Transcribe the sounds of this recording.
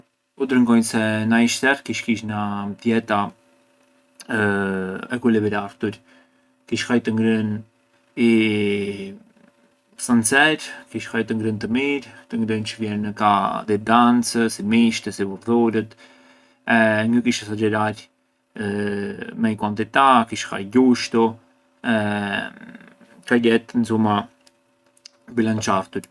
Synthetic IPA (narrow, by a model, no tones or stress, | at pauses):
ud̪ɾəŋɡɔjsɛnaiʃt̪ɛɾkiʃkiʃnat̪jɛt̪a | ɛkulɛβɛɾaɾt̪uɾ | kiʃxajt̪əŋɡɾən | i | sant͡sɛɾkiʃhajt̪əŋɡɾənt̪əmiɾt̪əŋɡɾənt͡ʃəvjɛnəkaðɛd̪ant͡səsimiʃt̪əsivuɾðuɾət̪ | ɛɲəkiʃasad͡ʒɛɾaɾ | mɛikwant̪it̪akiʃxa̰jɟuʃt̪u | ɛ | kaɟɛt̪nzuma | bilant͡ʃaft̪uɾ